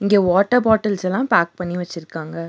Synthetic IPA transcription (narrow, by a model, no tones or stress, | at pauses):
ɪŋɡeːʋaːʈːɐbaːʈːɐlsɛlːãːpaːk̚pɐɳːiʋɐt͡ʃːɪɾɯkːaːŋɡɐ